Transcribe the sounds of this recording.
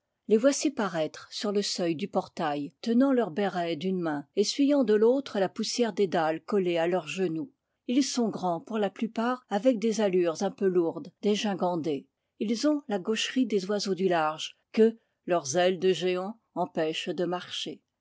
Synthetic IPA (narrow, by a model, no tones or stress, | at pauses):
levwasipaʁɛt̪χsyʁləsœjd̪ypɔʁt̪ajt̪ənɑ̃lœʁbɛʁɛd̪ynmɛ̃esɥijɑ̃d̪əlot̪χəlapusjɛʁd̪ed̪alkɔlealœʁʒənu | ilsɔ̃ɡʁɑ̃puʁlaplypaːʁavɛk̚d̪ezalyʁzɛ̃pøluʁd̪d̪eʒɛ̃ɡɑ̃d̪e | ilzɔ̃laɡoʃʁid̪ezwazod̪ylaʁʒkə | lœʁzɛld̪əʒeɑ̃ | ɑ̃pɛʃd̪əmaʁʃe